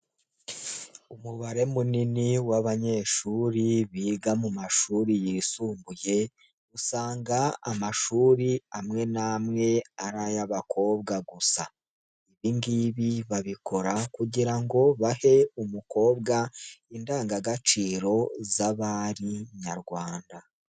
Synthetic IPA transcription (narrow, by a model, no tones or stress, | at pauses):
umuβaɾe̞muniniwaβaɲe̞ːʃuːɾiβiːɡamumaʃuːɾijisuːmbuje̞ | usaːŋɡaa̰maʃuːɾiamŋe̞naːmŋe̞aɾajaβakʰo̞ːβɡaɡusa | iβiŋɡiːβiβaβiko̞ɾakuɟiɾaŋɡo̞βahe̞umuko̞ːβɡaindaːŋɡaɡat͡ʃiːɾo̞zaβaːɾiɲaɾɡwaːnda